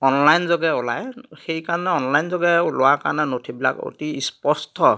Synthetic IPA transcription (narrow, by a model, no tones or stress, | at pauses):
ɔnlajnzɔɡɛʊla̰jxejkaɹɔnɛɔnlajnzɔɡɛlʊwakaɹanɛnotʰibila̰ko̰tispɔstʰɔ